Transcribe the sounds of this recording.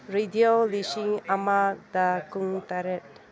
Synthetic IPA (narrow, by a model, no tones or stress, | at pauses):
ɾediolisiŋamad̪akuŋtaɾet̚